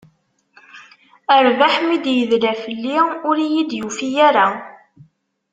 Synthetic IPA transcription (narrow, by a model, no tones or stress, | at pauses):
əɾvaħmid̪jəðlæfəlːiʊɾijid̪jufijæɾa